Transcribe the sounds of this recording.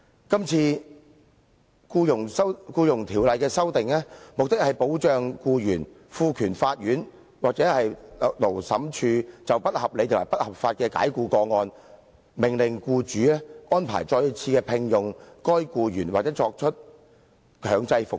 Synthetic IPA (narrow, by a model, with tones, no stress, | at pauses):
kɐ˥mt͡sʰiː˧ | kuː˧jʊ˨˩ŋsɐ˥wkuː˧jʊ˨˩ŋt̪ʰiː˨˩wlɐ˨jkɛː˧sɐ˥wt̪ɪ˨ŋɛː˥mʊ˨k̚t̪ɪ˥k̚hɐ˨jpo˨˥wt͡ʃœː˨ŋkuː˧jyː˨˩n | fuː˧kʰyː˨˩nfaː˧t̚jyː˨˥n | waː˨˩k̚t͡sɛː˨˥hɐ˨jlo˨˩wsɐ˨˥mt͡ʃʰyː˧t͡sɐ˨wpɐ˥t̚hɐ˨p̚le˨˧jt̪ʰmaː˨˩jpɐ˥t̚hɐ˨˩p̚faː˧t̚kɛː˧ka̰ː˨˥jkuː˧kɔː˧ŋɔː˧n | mɪ˨˩ŋlɪ˨˩ŋkuː˧t͡ʃyː˨˥aː˥ʔɔː˥npʰa̰ː˨˩jt͡ʃɔː˧jt͡sʰiː˧kɛː˧pʰɪ˨ŋjʊ˨ŋkɔː˥jkuː˧jyː˨˩nwaː˨k̚t͡sɛ˨˥t͡sɔː˧k̚t͡ʃʰt̚ | kʰœː˨˧ŋt͡sɐ˧jfʊ˨k̚